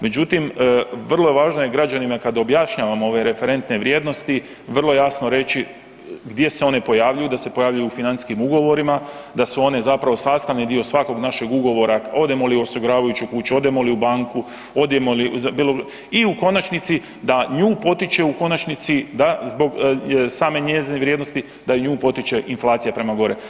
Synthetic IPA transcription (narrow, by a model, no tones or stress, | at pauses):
me̞d͡ʒut̪imʋr̩lˠo̞je̞ʋaːʒnoje̞ɡɾad͡ʒanimakad̪objaʃɲaʋamoo̞ʋe̞ɾe̞fe̞ɾe̞nt̪ne̞ʋɾʲje̞d̪no̞st̪i | ʋər̩lˠo̞jaːsno̞ɾe̞t͡ɕi | ɡd̪je̞seo̞ne̞po̞jaːʋʎajud̪ase̞po̞jaːʋʎajuufinant̪skimuɡo̞ʋo̞ɾimad̪asuo̞ne̞zapɾaʋo̞saːst̪aʋnid̪io̞sʋako̞ɡnaʃe̞ɡuɡo̞ʋo̞ɾao̞d̪emo̞lio̞soɡoɾaːʋajut͡ʃukuːt͡ʃuo̞d̪emo̞liubaŋku | o̞d̪jemolizbilo | iuko̞nat͡ʃnit̪si | d̪aɲuːpo̞t̪it͡ʃe̞uko̞nat͡ʃnit̪sid̪azbo̞ɡsaːme̞ɲezineʋɾjed̪no̞st̪i | d̪aɲuːpo̞t̪it͡ʃe̞ʔinflˠaːt̪sijapɾe̞maɡo̞ɾe